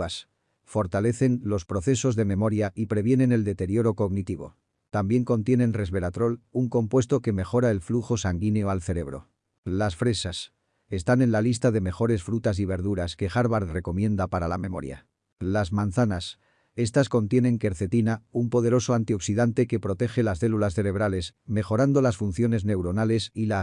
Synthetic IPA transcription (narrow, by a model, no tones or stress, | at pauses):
as | fo̞ɾt̪ale̞θe̞nlo̞spɾo̞θe̞so̞zðe̞mẽ̞mo̞ɾjaʔipɾe̞βje̞nẽ̞ne̞ld̪e̞t̪e̞ɾjo̞ɾo̞ko̞ɣnit̪iβ̞o̞̰ | t̪ambje̞ŋko̞nt̪je̞ne̞nre̞zβe̞ɾat̪ɾo̞luŋko̞mpwe̞st̪o̞ke̞me̞xo̞ɾae̞lfluxo̞saŋɡineo̞alθe̞ɾe̞β̞ɾo̞̰ | lasfɾe̞sas | e̞st̪anẽ̞nlalist̪aðe̞me̞xo̞ɾe̞sfɾut̪as̬iβe̞ɾðuɾaske̞xaɾβaɾre̞ko̞mjẽ̞nd̪apaɾalamẽ̞mo̞̰ɾja̰ | lazmãnθanas | e̞st̪asko̞nt̪je̞nẽ̞ŋke̞ɾθe̞t̪inaumpo̞ðe̞ɾo̞so̞ant̪io̞ksiðant̪e̞ke̞pɾo̞t̪e̞xe̞lasθe̞lulasθe̞ɾe̞β̞ɾale̞sme̞xo̞ɾand̪o̞lasfun̟θjo̞ne̞zne̞wɾo̞nale̞sila